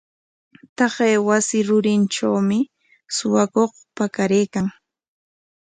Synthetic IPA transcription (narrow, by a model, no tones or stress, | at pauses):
t̪ɑɢeːwasɪɾʊɾɪnʈ͡ʂawmɪ | sʊwakoχ | pakaɾeːkaŋ